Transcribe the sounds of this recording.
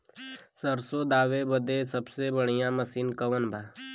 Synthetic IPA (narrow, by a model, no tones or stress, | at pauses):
səɾsod̪aːʋebəd̪esɐbsebəɽ̃ijãməsiːnkɐʋənbʱaː